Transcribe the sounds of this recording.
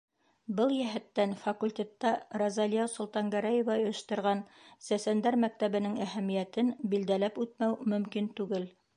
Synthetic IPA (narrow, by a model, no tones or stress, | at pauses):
bɤlˠjæɦɘ̆t̪ːænfɑkulʲtʲe̞t̪ːɑɾɑzɑlʲijɑsŏlˠt̪ɑŋɡæɾæjĕvɑɵ̆ʃt̪ɤ̆ɾʁɑnsæsænd̪æɾmæk̚t̪æβɘ̆nɘŋæhæmijæt̪ɘnbild̪ælæpʉt̪mæwmɵ̆mkint̪ʉɡɘl